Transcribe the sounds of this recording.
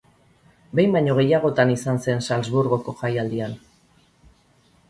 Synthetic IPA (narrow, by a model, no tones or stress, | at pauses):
be̞jmbaɲo̞ɣe̞jaɣ̞o̞t̪anisanse̞nsalzβuɾɣo̞ko̞xajald̪ian